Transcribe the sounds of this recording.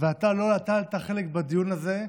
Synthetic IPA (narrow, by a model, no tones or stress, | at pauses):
veat̪alo̞lat̪alt̪aχe̞lekbad̪ijunaze̞